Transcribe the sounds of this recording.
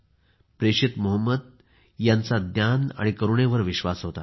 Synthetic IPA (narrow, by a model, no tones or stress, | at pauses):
pɾeɕit̪moɦəmːəd̪̚ | jant͡sad̪jana̰ɽ̃ikəɾuɳeʋəɾʋiɕʋasɦot̪a